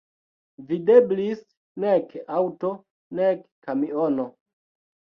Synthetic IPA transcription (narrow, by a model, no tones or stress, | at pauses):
videblis | nekawto | nekː | amiono